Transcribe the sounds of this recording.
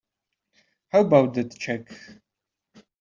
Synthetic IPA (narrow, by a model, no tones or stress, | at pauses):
hawbawtɨtʰt͡ʃʰɛk